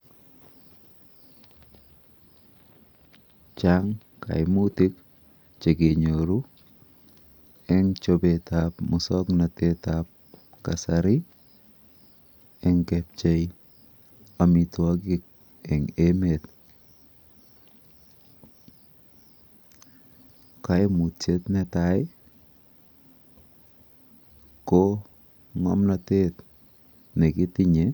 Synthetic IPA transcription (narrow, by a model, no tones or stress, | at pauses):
t͡ʃaŋ | ka̰jmutik | t͡ʃeɡeɲoɾu | ɛŋt͡ʃobetapmʊsɔknatetap̚ | kasaɾi | ɛŋkɛp̚t͡ʃej | amituak̬ik̚ | ɛŋemet | kajmutt͡ʃetnɛtaj | ko | ŋɔ̰mnatet | nekɪtɪɲe